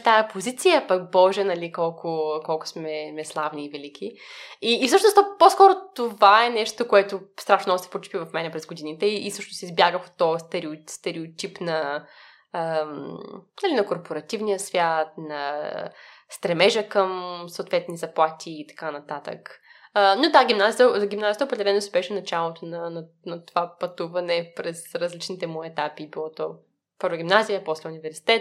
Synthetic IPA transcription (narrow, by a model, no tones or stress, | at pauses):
t̪ajəpozit̪sijəɐpɐkbɔʒɛnɐlikɔlˠkʰʊkɔlˠkʊ̥smɛmɛslˠavniːvɛlik̟ʰiiːfsɤʃnost̪pːoskɔɾot̪ovaɛnɛʃt̪okoɛt̪ʊst̪ɾaʃnonɔɡsɛ̥pot͡ʃɛ̥vʲivɐfmɛnɛpɾɛzɡod̪init̪ɛiʔːfsɤʃnosizbjaɡəxo̥t̪ːɔjst̪ɛɾɛost̪ɛɾɛot̪ʲipnɐ | əmnɐlinɐkoɾpoɾɐt̪ivnijəsvʲjat̪nɐ | st̪ɾɛmɛʒəkəmsɐot̪vɛt̪nizɐplˠat̪ʲʰiːt̪ɐ̥kanɐt̪at̪ə̰k | ənod̪aɡʲimnazijəɡʲimnazijət̪opɾɛd̪ɛlɛnːosɛbɛʃɛnɐt͡ʃalˠot̪onɐnɐ | nɐt̪ovapɐt̪uvɐnɛpɾɛsɾɐzlit͡ʃnit̪ɛmuɛt̪apibilˠɔt̪ɔ | pəɾvəɡʲimnazijəpɔslɛunʲivɛɾsi̥t̪ɛt̪